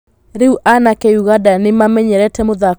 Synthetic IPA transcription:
ɾeuʔanakeuɣadanemamɛɲɛɾɛtɛmoða

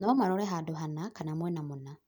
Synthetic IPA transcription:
nɔmaɾɔɾɛɦadoɦanakanamwɛnamona

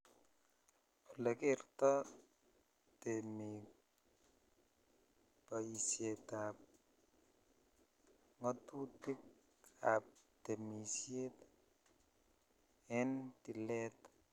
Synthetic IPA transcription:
ulekert̪ɔ | t̪emi | paisjet̪ap̚ | ŋɔt̪ut̪ik̚ | ap̚t̪emisjet̪ | ɛnt̪ilet̪

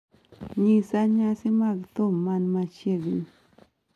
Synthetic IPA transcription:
ɲisaɲãsimakt̪ommːanmat͡ʃeɡḭɲ

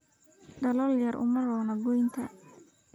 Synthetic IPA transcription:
ɖɐlɔljɐrʔʊ̰mɐrɔːnɐɡɔjnt̪ʰɐ

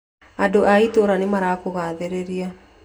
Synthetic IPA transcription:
adoʔaitoɾanemaɾaːkoɣaːðeɾeɾia

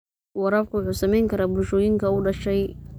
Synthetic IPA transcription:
wɑɾɐbkʰʊwʊħuːsɐmɛjŋkʰɐɾaːbʊlʃɔːjɪŋkʰɐʊɖɐʃɛj

